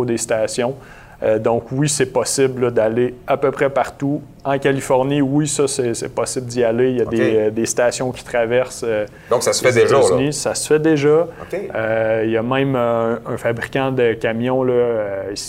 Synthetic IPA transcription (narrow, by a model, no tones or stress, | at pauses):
d̪est̪aːsjɔ̃ | ød̪ɔ̃kwisɛpɔsɪblləd̪aleapøpʁɛpaʁt̪u | ɑ̃kʲalifɔʁniwisʌsɛsɛpɔsɪbld̪ialejad̪ed̪est̪aːsjɔ̃kʲi̥t̪χavɛʁsø | d̪ɔ̃ksasəfɛd̪eʒanisasə̥fɛd̪eʒʌkʲeøjamɛ̃mø̃ə̃fabʁikʲãd̪əkʲamjɔ̃lɔəis